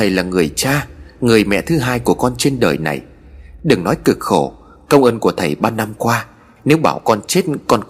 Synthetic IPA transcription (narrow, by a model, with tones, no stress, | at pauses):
t̪ʰə˨˩jlaː˨˩ŋɨ˨˩əjt͡ɕaː˧ŋɨ˨˩əjmɛ̰˧˨t̪ʰɨ˨˦ɦaː˧jku˧˩əkɔ˧nt͡ɕe˧nɗə̰ː˨˩jna̰˨˩j | ɗɨ˨˩ŋnɔ˨˦jkɨ˨˩k̚xo˧˩ | kə˧wŋ͡mʔəː˧nku˧˩ət̪ʰə˨˩jɓaː˧na˧mkwaː˧ | ne˨˦wɓaː˧˩wkɔ˧nt͡ɕe˦˥t̚kɔ˧n